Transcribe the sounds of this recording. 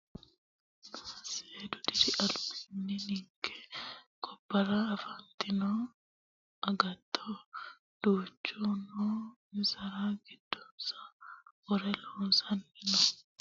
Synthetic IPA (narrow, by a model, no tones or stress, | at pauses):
nɐseːd̪ʊd̪ɪɾɪʔɐlbɪnːɪnɪŋkɛ̥kɔbːɐɾaːɐfɐnt̪ɪnoː | ɐɡɐt̪ːo | d̪̥uːt͡ʃːuːnoːmɪsɐɾaːɡɪd̪ːɔnsɐ̥ɔɾɛloːsɐnːɪnɔ